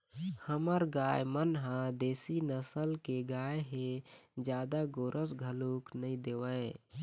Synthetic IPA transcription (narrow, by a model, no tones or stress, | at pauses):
həməɾɡaːjmənɦãd̪eːsinəsəlkeɡaːjeɦed͡ʒjaːd̪aɡoːɾʔəsɡʱəluːknəĩd̪eːʋəe